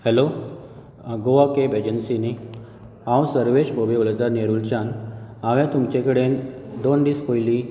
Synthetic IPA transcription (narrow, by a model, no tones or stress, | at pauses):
helo | ɡoʋakebed͡ʑənsini | ãwsəɾʋeɕbʱobeʋəld̪aneɾult͡ɕanaʋɛ̃t̪umt͡ɕẽkəɽend̪onɖ̪iːskojli